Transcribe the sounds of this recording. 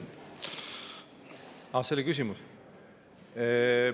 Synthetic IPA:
aselikys̬imus | e

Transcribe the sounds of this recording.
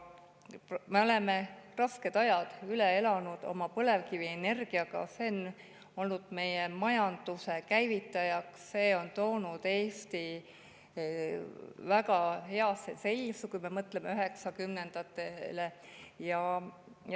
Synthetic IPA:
me̞o̞le̞me̞rɑske̞d̪̥ɑjɑd̪̥ylee̞lɑnud̪̥o̰mɑpɤle̞vkiviene̞rɡ̥iɑɡ̥ɑ̰senː | olnud̪̥me̞jemɑjɑnd̪̥use̞kæjvit̪ːˑɑjɑksse̞ːo̞nt̪o̞ːnud̪̥e̞ːst̪i | væɡɑhe̞ɑsːḛse̞lʲsukujme̞mɤt̪ːˑlemeyɦe̞ksɑkymnend̪̥ɑt̪ːˑelejɑ

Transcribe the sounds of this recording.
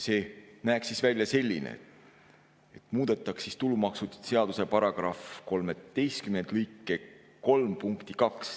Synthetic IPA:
se̞ːnæːksisvælʲjɑse̞lʲːinḛ | et̪ˑmuːd̪̥e̞t̪ˑːɑksist̪ulumɑksut̪ːˑu̥d̪̥se̞ɑd̪̥u̥se̞pɑɾɑɡ̥rɑfko̞lmet̪e̞jst̪̚kymend̪̥lykːˑe | ko̞lmpuŋkt̪ikɑks

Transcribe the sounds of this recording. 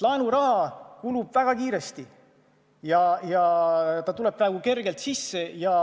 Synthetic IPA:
lɑenuɾɑɦɑkulub̥væɡ̥ɑkiːɾest̪i | jɑjɑt̪ɑt̪ule̞b̥̚prɑeɡ̥uke̞rɡ̥e̞lt̪sisːe̞jɑ

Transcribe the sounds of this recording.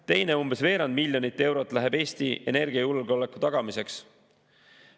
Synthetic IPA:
t̪e̞jne̞umb̥e̞sve̞ːɾɑnd̪̚milʲːjo̞nit̪ˑːe̞wɾo̞t̪ːˑlæɦebe̞ːst̪iʔe̞̰ne̞rɡ̥iɑjulɡ̥olekːˑu̥t̪ɑɡ̥ɑmise̞ks

